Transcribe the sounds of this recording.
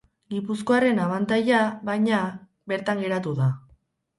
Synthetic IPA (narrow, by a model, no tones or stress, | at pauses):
ɡipusko̞are̞naβant̪ajaβajɲa | βe̞ɾt̪aŋɡe̞ɾat̪uða